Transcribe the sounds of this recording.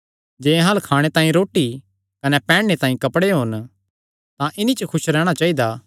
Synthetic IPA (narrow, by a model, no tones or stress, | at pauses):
d͡ʒẽːɦalkʰaːɽ̃et̪ãːĩɾoːʈːi | kɐnɛpɛ̃ːɽːet̪ãːĩkɐpɽeɦoːn | t̪ãʔɪnit͡ʃəkʰʊʃɾɛːɽ̃at͡ʃaːid̪a